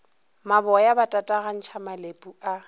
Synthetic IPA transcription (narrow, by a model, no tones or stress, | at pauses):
mabɔjabatʼatʼaɣan̩t͡ʃʰamalepʼua